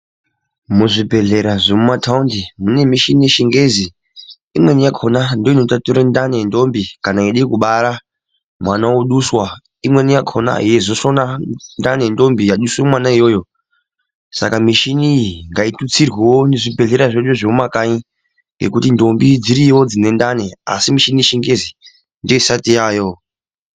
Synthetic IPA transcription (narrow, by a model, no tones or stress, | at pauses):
muʐibʱe̞ɮe̞ɾaʐemumatʰaundimune̞miʃinijeʃiŋɡe̞zi | imwe̞nijakʰo̞nando̞ino̞tatuɾandanendo̞mbikanaiɗikuɓaɾa | mwanawoɗuswa | imwe̞nijakʰona̰ɦijezosonandane̞ndo̞mbijaɗuswomwanaijo̞ːjo̞ | sa̰kamiʃiniŋɡaitut͡sirwewoneʐibʱe̞ɮeɾaʐet͡ʃoʐemakaɲi | ŋɡe̞̰kutindo̞mbid͡ziɾiwo̞d͡zine̞ndane̞a̰simiʃiniʃiŋɡezi | ndo̞isatijaːjo